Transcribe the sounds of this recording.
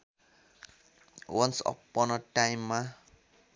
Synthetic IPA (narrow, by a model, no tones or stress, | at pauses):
wʌnsɔ̰pːɔnʌʈajmːa